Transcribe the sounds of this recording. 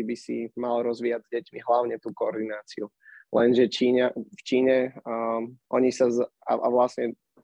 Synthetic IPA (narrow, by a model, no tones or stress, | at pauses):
ibisḭmalɾɔzʋiːaɟzɟɛcmiɦlaʊɲɛt̪uːkɔɔɾd̪inaːt͡siu | lɛnʒɛt͡ʃiːɲaft͡ʃiːɲɛ | ʔɔɲisaza̰ʔa̰ʋlasɲɛ